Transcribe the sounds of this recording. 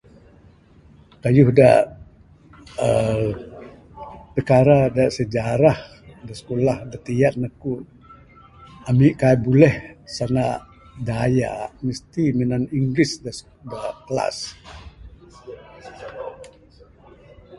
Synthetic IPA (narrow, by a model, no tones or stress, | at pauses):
kajuhda̰ | ə | pəkaɾadaʔsəd͡ʒaɾah | dasə̥kolahdat̪ijat̪̚naku | amiʔkajbulɛhsana | daja̰ʔmist̪iminaniŋɡɾisda | dakəla̰s